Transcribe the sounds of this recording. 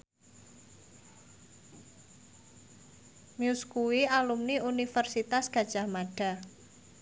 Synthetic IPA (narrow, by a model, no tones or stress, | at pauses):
miuskuwialumniunifərsit̪asɡ̥a̤d̥ʒ̥a̤hmaɖ̥a̤